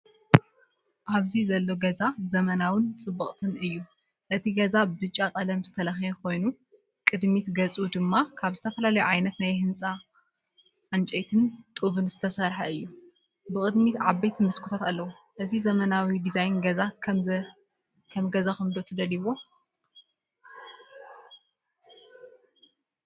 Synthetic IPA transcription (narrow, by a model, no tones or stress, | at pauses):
ʔaβzizɐlːo̞ɡɐzazɐmɐnawɨnt͡sʼɨbːɐχʼt̪ʰɨnɨjːu | ʔɨt̪ʰiɡɐzabɨt͡ʃʼːakʼɐlɐmz̥ɨt̪ʰɐlɐxjekʰo̞jnu | kʼɨd̪mit̪ɡɐt͡sʼud̪ɨmːakʰaβzɨt̪ʰɐfɐlalɐjuʕajnɐt̪najhɨnt͡sʼa | ʕant͡ʃʼejt̪ʰɨnt̪ʼuβɨnz̥ɨt̪ʰɐsɐɾħaɨjːu | bɨkʼɨd̪mit̪ʕabejt̪ʰmɨskʰɨt̪ʰot̪alːɐwu | ʔɨzizɐmɐnawid̪izajnɡɐza | kʰɐmɡɐzaxɨmd̪o̞t̪ʰɨd̪ɐliβo̞